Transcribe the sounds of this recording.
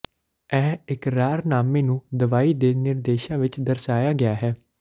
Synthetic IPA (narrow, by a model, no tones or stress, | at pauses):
ɛːɪkɾaːɾnaːmẽːnũːd̪əʋaːiːd̪eːnɪɾd̪eːʃãːʋɪt͡ʃd̪əɾsaːjaːɡɪaːɦɛː